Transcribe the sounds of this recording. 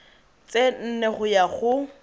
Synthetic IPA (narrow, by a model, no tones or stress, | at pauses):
t͡sʼen̩nɛχʊjaχʊ